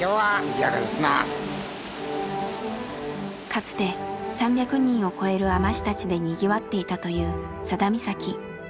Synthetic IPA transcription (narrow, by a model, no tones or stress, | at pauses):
oaaɾa̰zna̰ | kat͡sɨ̥t̪e̞sãmbʲjakɯ̟ɲ̟ĩɰ̃o̞ko̞e̞ɾɯ̟amaɕi̥t̪at͡ɕid̪e̞ɲ̟iɡʲiβat̪ːe̞it̪at̪o̞jɯ̟ː | sad̪amʲisakʲi